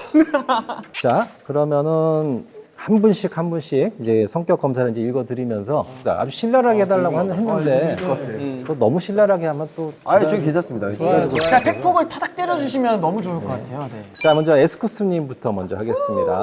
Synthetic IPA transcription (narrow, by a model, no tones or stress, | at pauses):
t͡ɕakɯɾʌmjʌnɯnhambunɕʰik̚hanbunɕʰiɡ̚id͡ʑe̞sʰʌŋk͈jʌk͈ʌmsʰaɾɯid͡ʑe̞iɭɡʌdɯɾimjʌnsʰʌt͡ɕa̰ʔa̰d͡ʑuɕʰiɭːaɾɦaɡehe̞daɭːaɡohanɦenːɯnde̞ | tonʌmuɕʰiɭːaɾɦaɡehamjʌnt͈oaoɡiked͡ʑʰas͈ɯmɲidakapʰe̞k̚tʰoɡɯɭtʰadak̚t͈eɾjʌd͡ʑuɕʰimjʌnɯnːʌmud͡ʑoɯɭk͈ʌk͈atʰe̞jonet͡ɕamʌnd͡ʑʌesʰɯ̥kʰɯs͈ɯɲimbutʰʌmʌnd͡ʑʌhaɡe̞s͈ɯmɲida̰